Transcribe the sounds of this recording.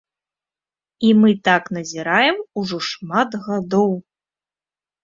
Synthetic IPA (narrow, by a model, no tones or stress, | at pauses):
imɨt̪aknɐzʲiɾajɛmuʐɔʂmat̪ɣad̪ɔw